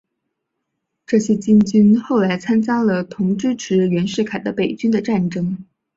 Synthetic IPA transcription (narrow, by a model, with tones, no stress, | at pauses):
ʈ͡ʂɤ˥˩ɕjɛ˥t͡ɕi˥nt͡ɕy˥nxo˥˩ʊla˧˥ɪt͡sʰa˥nt͡ɕja˥lə˨t̪ʰʊ˧˥ŋʈ͡ʂɻ̩˥ʈ͡ʂʰɻ̩˧˥ɥɛ˧˥nʂɻ̩˥˩kʰa˨˩ɪd̪ə˦pe˨˩ɪt͡ɕy˥nd̪ə˨ʈ͡ʂa˥˩nʈ͡ʂɤ˥ŋ